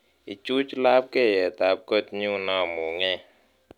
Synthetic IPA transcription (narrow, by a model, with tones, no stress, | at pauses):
i˨t͡ʃu˦t͡ʃla˦p̚kɛ˦˨jɛ˨ta˨˦p̚kɔ˦t̚ɲu˦na˦˨mu˨ŋɛ˦˨